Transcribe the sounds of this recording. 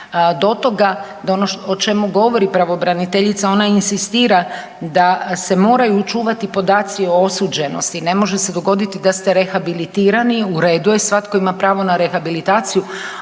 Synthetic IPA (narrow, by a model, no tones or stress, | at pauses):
d̪o̞t̪o̞ɡa | d̪aonoot͡ʃe̞muɡo̞ʋo̞ɾipɾaʋo̞bɾanit̪eʎit̪sao̞nainsist̪iːɾa | d̪ase̞mo̞ːɾajuːt͡ʃuːʋat̪ipo̞d̪aːt̪sioo̞suːd͡ʑe̞no̞̰st̪ine̞mo̞ʒese̞d̪o̞ɡo̞d̪it̪id̪ast̪e̞ɾe̞xabilit̪iːɾaniuɾe̞ːd̪uje̞sʋat̪ko̞imapɾaːʋo̞naɾexabilit̪aːt̪siju